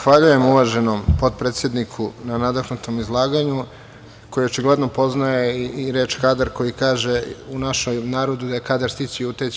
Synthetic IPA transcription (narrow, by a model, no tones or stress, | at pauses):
xʋaʎuje̞muʋaʒe̞nompo̞d̪̚pɾet̪sjed̪nikʰunanad̪aknut̪o̞mizlˠaːɡaɲu | ko̞jio̞t͡ʃiɡle̞d̪nopo̞znajeɾeːt͡ʃkad̪aɾko̞jikaːʒeunaʃemnaːɾo̞d̪ud̪ajekad̪aɾst̪it͡ɕiut̪et͡ɕ